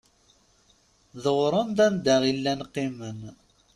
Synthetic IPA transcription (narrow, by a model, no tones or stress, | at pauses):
ðəʁɾˤənd̪ænd̪æʁilːænqːimən